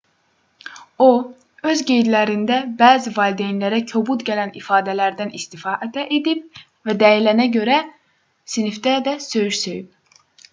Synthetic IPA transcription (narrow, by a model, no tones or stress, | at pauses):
o | ø̞zɟe̞jd̪læɾind̪æbæːzivɑld̪enlæɾæcʰobut̪ɟælænifɑːd̪ælæɾd̪ænist̪ifɑːʔæt̪ʰæʔed̪ip̚ | væd̪æjilænæɟø̞ɾæ | sinifd̪æd̪æsøjyɾsøjyb̚